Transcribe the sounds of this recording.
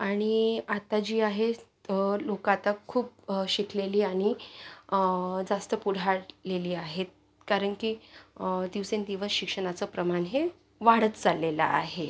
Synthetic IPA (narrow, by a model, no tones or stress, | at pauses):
aɽ̃iat̪ad͡ʑiːaɦe | lokat̪akʰːuːp̚ɕikʰleliːaɽ̃i | d͡zast̪əpuɽ̤ʱaɽleliːaɦet̪̚ | kaɾəɳki | d̪iʋsend̪iʋəsɕikʂəɳ̃at͡səpɾəmaɳɦe | ʋaɽ̤ət̪d͡zalːela̰a̰ɦe